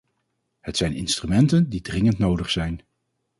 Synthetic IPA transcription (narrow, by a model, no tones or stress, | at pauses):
hətsɛjnɪ̰nstrymɛntəndidrɪŋəntnowdəχsɛjn